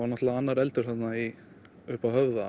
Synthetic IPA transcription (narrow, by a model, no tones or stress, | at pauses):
aɾnɛt̪laaanːaɾɛlt̪ʏɾ̥θat̪nai | ʏhpahœvða